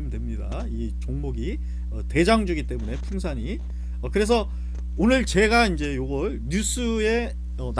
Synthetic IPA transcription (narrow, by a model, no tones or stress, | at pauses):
mdwe̞mɲida̰ | i | t͡ɕoŋmoɡi | ʌte̞d͡ʑaŋd͡ʑuɡit͈e̞mune̞pʰuŋsʰaɲi | ʌkɯɾe̞s̬ʰʌ | onɯɭt͡ɕe̞ɡaind͡ʑe̞joɡʌɭɲus͈ʰɯe̞ | ʌn